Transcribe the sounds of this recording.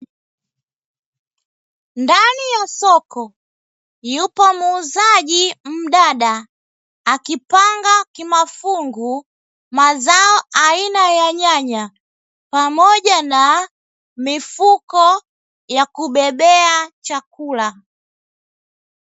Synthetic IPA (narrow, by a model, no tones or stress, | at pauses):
ndanijasɔkɔ | jupɔmuːzaʄim̩ɗaɗaː | kipaŋɡakimafuŋɡu | mazaɔainajaɲaɲa | pamɔʄana | mifukɔ | jakuɓɛɓɛat͡ʃakula